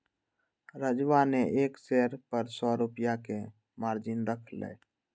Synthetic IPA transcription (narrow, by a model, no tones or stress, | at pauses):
ɾəd͡ʒʋaneʔekseɾpəɾsɔɾupjake | maɾd͡ʒɪnɾəkʰlɛ̰